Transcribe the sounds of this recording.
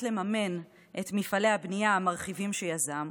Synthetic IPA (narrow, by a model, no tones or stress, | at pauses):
tle̞mame̞n | ʔetmifale̞habnijaːmaʁχivimʃejazam